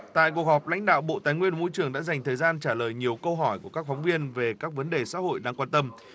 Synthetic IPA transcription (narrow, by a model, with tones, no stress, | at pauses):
t̪a̰ː˧˨jk̬u˩ək̚hɔ˨˩p̚la̰˧˥jŋ̟ɗa̰ː˧˨wɓo̰˧˨t̪aː˨˩jŋwi˧ən˩˨mo˧jt͡ɕɨ˧˩əŋɗa̰ː˧˥za˨˩jŋ̟t̪ʰəː˨˩jzaː˧nt͡ɕaː˧˩ləː˨˩jɲi˨˩əwkə˧wɦɔ˧˩jku˧˩əkaː˦˥k̚fɔ˨˦wŋ͡mvi˧ənve˨˩kaː˦˥k̚və˨˦nɗe˨˩sa̰ː˧˥ho̰˧˨jɗaː˧kwaː˧nt̪ə˧m